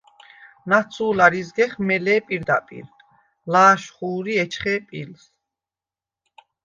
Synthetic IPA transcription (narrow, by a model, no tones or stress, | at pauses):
nat̪sʰuːlaɾizɡɛχmɛlɛːpʼiɾd̪apʼḭɾ | laːʃχuːɾiɛt͡ʃʰχɛːpʼils